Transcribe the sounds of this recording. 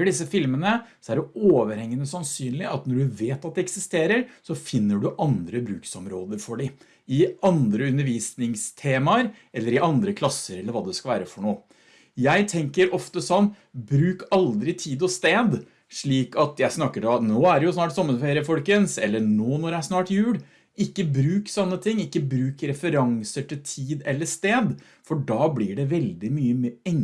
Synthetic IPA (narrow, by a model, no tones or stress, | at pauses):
əɖɪsːəfɪlmənəsɔæɖɛoːʋəɾhɛŋːənəsɑnsyːnlɪɑt̪nɔɖʉʋeːt̪ɑt̪̚d̪ɛɛksɪst̪eːɾəɾsɔfɪnːəɖʉʔɑnd̪ɾəbɾʉːksɔmɾoːd̪əɾfɔɖɪ | ɪɑnd̪ɾəʉnːəɾʋiːsnɪŋst̪ʰeːmɑɾ | ɛlːəɾɪʔɑnd̪ɾəkʰlɑsəɾɛlːəɾʋɑːd̪ɛskɑʋæːɾəfɔɳoː | jæɪt̪ʰɛŋkəɾʔɔft̪əsɔnː | bɾʉːkɑld̪ɾɪt̪ʰiːd̪ɔst̪eːd̪ | ʂɭiːkɑt̪jæɪsnɑkːəd̪ɔnoːæɖɛjʊsnɑːʈsɔmːənfeːɾɪəfɔlkənsɛ̰lːəɳoːnɔɾjææʂnɑːʈjʉːɽ | ɪkːəbɾʉːksɔnːət̪ʰɪŋːɪkːəbɾʉːkɾɛfəɾɑŋsəʈʰɪlt̪ʰiːd̪ɛlːəʂt̪eːd̪ | fɔɖɑːblɪɖɛʋɛld̪ɪmyːəmɛŋ